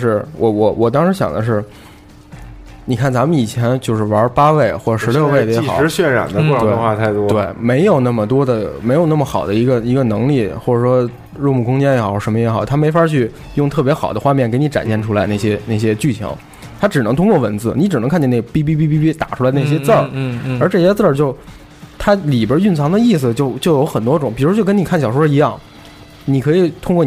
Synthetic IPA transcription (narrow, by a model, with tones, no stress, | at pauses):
ʂɻ̩˥˩wɔ˧˩wɔ˨˧˩wʔɔ˨˩t̪̬ɑ˥ŋʂɻ̩˧˥ɕjɑ̰˨˩ŋd̪ə˦ʂ̬ɻ̩˥˩ | ni˨˩kʰa˥˩nt͡sa˧˥mə˧ni˨˩t͡ɕʰjɛ˧˥nt͡ɕjo˥˧ʊʂɻ̩˥˩wɐ˧˥˧pa˥we˥˩ɪxwɔ˥˩ʈ͡ʂʂɻ̩˧˥jo˥˧ʊwe˥˩ɪə˩jɛ˧˥˧xɻ̩˧˥ɕɥɛ˥˩nɻa̰˨˩nd̪ə˦kwɔ˥˧ʈ͡ʂt̪e˥˩ɪ˧xwa˥˧t̪ʰa˥˩ɪt̪wɔ˥t̪we˥˩ɪme˧˥ɪjo˨˩ʊna˥˩mə˩t̪̬wɔ˥d̪ə˨me˧˥ɪjo˨˩ʊna˥˩mə˩xɑ˨˩ʊd̪ə˦i˧˥ɡə˧i˧˥ɡə˧nɤ˧˥ŋli˥˩xwɔ˥˩ʈ͡ʂə˨˩ʂwɔ˥ | ɻu˥˧mu˥˩kʊ˥ŋt͡ɕjɛ˥njɛ˧˥xɑ˨˩˥ʂə˧˥mə˧jɛ˧˥xɑ˨˩ʊt̪ʰa˥me˧˥ɪfa˥t͡ɕʰy˥˧ | jʊ˥˧ŋt̪ʰɤ˥˩p̬jɛ˧˥xɑ˨˩d̪ə˦xwa˥˧mjɛ˥˩nke˧˥ɪni˧˥ʈ͡ʂa̰˨˩nɕɛ˥˩nʈ͡ʂʰu˥la˧˥ɪna˥˩ɕ̬jɛ˥na˥˩ɪɕjɛ˥t͡ɕy˥˩t͡ɕʰɑ̰˧˥ŋ | t̪ʰa˥ʈ͡ʂɻ̩˨˩ɤ˧˥ŋt̪ʰʊ˥ŋkwɔ˥˩wə˧˥nt͡sɹ̩˥˩ni˧˥ʈ͡ʂɻ̩˨˩ɤ˧˥ŋkʰa˥˧nt͡ɕjɛ˥˧n˥˩ə˧˩pi˥pi˥˧pi˥˧pi˥i˥t̪a̰˨˩ʈ͡ʂʰu˥la˧ɪdə˧na˥˧˩jɛ˥˧t͡sə˥˩ə˞˧˥ʈ͡ʂɤ˥˩ɕjɛ˥t͡sə˥˧t͡ɕjo˥˩ʊ | t̪ʰa˥li˨˩bə˞˧˥y˥˩nt͡sʰɑ˧˥ŋd̪ə˧i˥˩s̬ɹ̩˩t͡ɕjo˥˧ʊt͡ɕjo˥˩ʊjo˧˥ʊxə˨˩nt̪wɔ˥ʈ͡ʂʊ˨˩˦ŋpi˨˩ɻt͡ɕjo˥˩ə˥ni˨˩kʰa˥˩nɕjɑ˨˩ʊʂwɻi˧˥jɑ˥˩ŋ | ni˨˩kʰɤ˧˥i˨˩t̪ʰʊ˥ŋkwɔ˥˩